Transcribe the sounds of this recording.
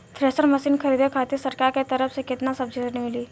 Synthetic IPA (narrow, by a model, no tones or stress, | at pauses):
t̪ʰɾeːsəɾmɐsiːnkʰɐɾiːd̪ekʰaːt̪esɐɾkaːɾket̪ɐɾəfsekɪt̪nasɐbd͡ʒʱed̪eɾnimɪliː